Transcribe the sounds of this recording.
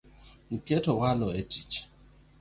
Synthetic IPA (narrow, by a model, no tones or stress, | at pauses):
ŋ̩ketowalɔetit͡ʃ